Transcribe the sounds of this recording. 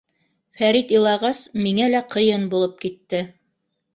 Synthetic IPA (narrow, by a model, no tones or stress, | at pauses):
fæɾit̪ilˠɑʁɑsmiŋælæqɤ̆jɤnbulˠɤp̚kit̪ːɘ